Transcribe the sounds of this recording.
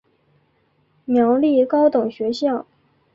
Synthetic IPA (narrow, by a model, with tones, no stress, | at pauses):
mjɑ˧˥ʊli˥˩kɑ˥ʊt̪ʊ˨˩ŋɕɥɛ˧˥ɕjɑ˥˩ʊ